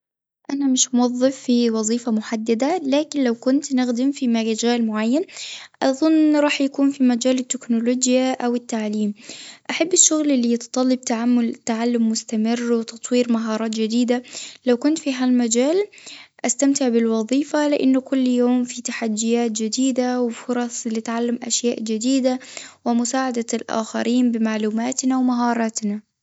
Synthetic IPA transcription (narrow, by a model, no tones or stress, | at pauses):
ʔanamɪʃmʊwɑðˤːɨfːiwɑðˤiːfamʊħad̪ːad̪alaːkɪnlawkʊnt̪nɪɣd̪ɪmfimaɡad͡ʒaːlmʊʕajːanʔɑðˤʊnːɾˤɑːħjakuːnfimad͡ʒaːlɪt̪ːɪknʊloːd͡ʒjaʔawɪt̪ːaʕliːmʔaħabːɪʃːʊɣlɪlːijt̪t̪ˤɑlːɑb̚t̪aʕamːʊlt̪ːaʕalːʊmːʊst̪amɪrːwɪt̪ɑt̪ˤwiːɾmaɦɑːɾˤɑːt̪d͡ʒɪd̪iːd̪alawkʊnt̪fiɦalmad͡ʒaːl | ʔast̪amt̪ɪʕbɪlwɑðˤiːfalɪʔɪnːʊkʊlːjoːmfit̪aħad̪ːɪjaːt̪̚d͡ʒɪd̪iːd̪awɪfʊɾˤɑsˤlɪt̪ʕalːamʔa̰ʃjaːʔd͡ʒɪd̪iːd̪awɪmʊsaːʕad̪alʔa̰ːxa̰ɾiːnbɪmaʕluːmaːt̪nawmaɦɑːɾˤɑːt̪na